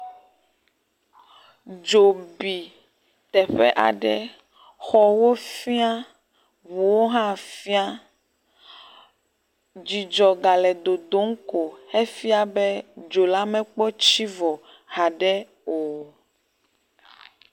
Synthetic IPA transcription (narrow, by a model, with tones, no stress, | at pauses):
d͡ʒo˨bi˨ | t̪ɛ˨ɸɛ̰˦ʔa̰˨ɖɛ̰˦ | xɔ˨wo˦fi˦a˦ | βu˨wo˦ɦã˦fi˦a˦ | d͡ʒi˨d͡ʒɔ˨ɡa˨lɛ˨d̪o˨d̪o˨˦ŋ̩˦ko˨he˦fi˦a˦bɛ˦d͡ʒo˨la˦mɛ̃˦k͡pɔ˦t͡ʃi˦vɔ˨ | ha˨ɖɛ˦ | o˨